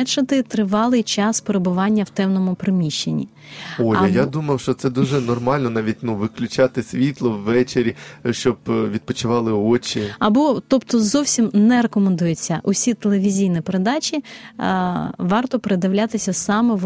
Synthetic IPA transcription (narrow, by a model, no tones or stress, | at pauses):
ɛt͡ʃɐt̪ɪt̪ɾɪʋɑlˠɪjt͡ʃɑspeɾebʊʋɑnʲːɐwt̪ɛwnɔmʊpɾɪmʲiʃt͡ʃːenʲːḭ | ojɐjad̪umɐwʃt͡ʃɔt̪sɛd̪uʒɛnɔrmɑlʲnɔnɑʋʲit̚ʲnuʋɪklʲʊt͡ʃat̪ɪsʲʋʲit̪lˠɔʋːɛt͡ʃeɾʲiʃt͡ʃɔbʋʲid̪̚pɔt͡ʃʊʋɑlˠɪɔt͡ʃiɐbɔt̪ɔpt̪ɔzɔwsʲimnɛɾekɔmend̪ujet͡sʲːɐʔʊsʲit̪elˠeʋʲizʲijnipeɾed̪ɑt͡ʃʲi | ʋɑrt̪ɔpeɾed̪ɐʋlʲat̪ɪsʲɐsɑmɛ